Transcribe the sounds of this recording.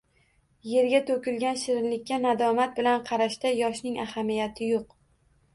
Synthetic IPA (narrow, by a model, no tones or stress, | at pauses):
je̞ɾɡʲat̪ʰokʲɪlɡʲanʃɪɾɪnlɪk̚ʲːanad̪ɒmat̪̚bɪlanqʰɑɾaʃt̪ajɒʃnɪŋahamijat̪ʰɪjoq